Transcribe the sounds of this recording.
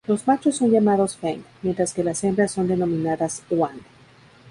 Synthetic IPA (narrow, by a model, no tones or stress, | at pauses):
lo̞zmat͡ʃosːo̞nʝamaðo̞sfeŋkmjent̪ɾaske̞lasembɾasːo̞nd̪e̞no̞mĩnaðaswand̪